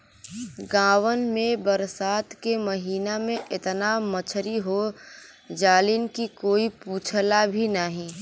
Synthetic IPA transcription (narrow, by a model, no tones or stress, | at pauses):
ɡãːwənmẽbəɾsaːt̪keməɦiːnamẽʔɪt̪namət͡ʃʰɾiɦo | d͡ʒaːlinkikoːipuːt͡ʃʰlabʱinaɦĩ